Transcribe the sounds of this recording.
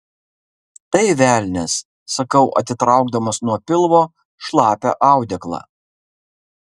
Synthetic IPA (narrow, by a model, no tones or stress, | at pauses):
t̪ɐɪʋʲæːˑlʲnʲɛsː | ɐkɐʊʔɐ̰t̪ʲɪt̪ɾɑˑʊɡd̪ɐmɐsnuɔpʲɪlˠʋoː | ʃlˠɑːpʲɛ̰ʔɑˑʊd̪ʲɛklˠɑ̰ː